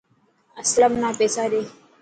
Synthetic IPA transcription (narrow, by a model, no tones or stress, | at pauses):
əsləmnapeːsaɾe